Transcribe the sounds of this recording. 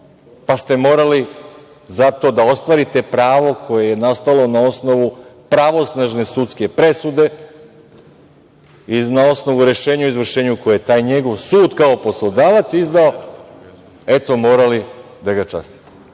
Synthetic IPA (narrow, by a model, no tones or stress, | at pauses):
past̪e̞mo̞ːɾali | zat̪o̞d̪ao̞st̪ʋaːɾit̪e̞pɾaːʋo̞kʰo̞jejenast̪alo̞nao̞sno̞ʋupɾaʋo̞snaʒne̞sut̪ske̞pɾe̞sud̪e̞ | inao̞sno̞ʋuɾe̞ʃeːɲauizʋr̩ʃe̞ːɲuko̞jejet̪aːjɲe̞ɡo̞ʋsuːd̪kaopo̞slˠod̪aːʋat̪sizd̪ao̞ | e̞t̪o̞mo̞ːɾali | d̪aɡat͡ʃa̰st̪i̥t̪e̥